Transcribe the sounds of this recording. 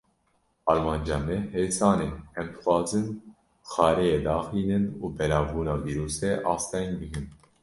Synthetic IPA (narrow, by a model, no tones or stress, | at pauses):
ɑɾmɑnd͡ʒɑmɛɦɛsɑːnɛhɛmt̪ʰχɑːzən | xɑɾɛjɛd̪ɑːχinənubɛlɑvunɑviɾusɛʔɑːst̪ɛjnɡiɡən